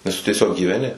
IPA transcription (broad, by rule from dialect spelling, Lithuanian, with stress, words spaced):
nʲɛs tʊ tʲiɛˈsʲoːk ɡʲiːʋʲɛˈnʲɪ